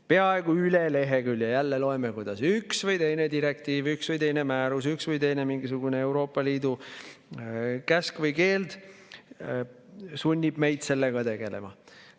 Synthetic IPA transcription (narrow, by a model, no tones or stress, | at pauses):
pe̞ɑe̞ɡ̥uylele̞ɦe̞kyljɑjælːelo̞emekujd̪̥ɑsyksvɤjt̪e̞jne̞d̪iɾe̞k̚t̪iːvyksvɨjt̪e̞jne̞mæːɾus̬yksvɤjt̪e̞jne̞miŋɡis̬uɡ̥une̞e̞wɾo̞ːpːˑɑliːd̪u | kæskvɯjke̞ːld̪̥ | sunʲːib̥me̞jd̪se̞lːe̞ɡ̥ɑt̪e̞ɡ̥ele̞̰mɑ